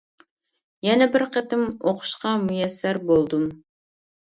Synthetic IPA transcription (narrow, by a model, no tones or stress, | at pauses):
jɛnɛbɪɾqət̪ɪmoqʰʊ̥ʃqɑmujɛsːæɾbolˠd̪um